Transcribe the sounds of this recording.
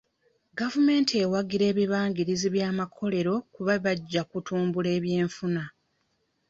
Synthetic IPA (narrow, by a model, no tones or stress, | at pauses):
ɡavume̞ːntʰie̞waɡiɾe̞ːβiβaːŋɡiɾiziβjaːmakʰo̞le̞ɾo̞kuβaβaɟːakutuːmbule̞ːβje̞ːɱfuna